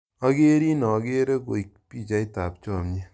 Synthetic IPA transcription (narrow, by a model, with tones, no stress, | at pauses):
a˦ɡe˦ɾi˦nɔ˨ɡe˦ɾe˦ko˨ik̚pi˦˨t͡ʃa˦i˦ta˨p̚t͡ʃɔ˦˨mɲe˦